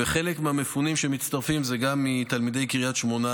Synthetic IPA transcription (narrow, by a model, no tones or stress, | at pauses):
eχe̞le̞kmeame̞funimʃemit̪st̪aʁfimzeɡamːit̪almid̪e̞jkiʁijat̪ʃmo̞na